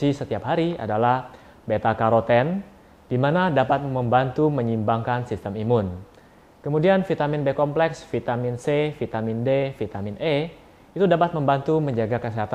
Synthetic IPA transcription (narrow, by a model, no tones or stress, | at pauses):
isət̪iapɦaɾia̰dalah | bet̪akaɾot̪ɛn | d̥imanadapat̪̚məmbant̪uməɲimbaŋkansist̪əmimʊn | kəmudianfit̪aminbekɔmplɛksfit̪aminsefit̪amindefit̪aminʔe | it̪udapat̪̚məmbant̪uməɲd͡ʒaɡakəsiɦat̪a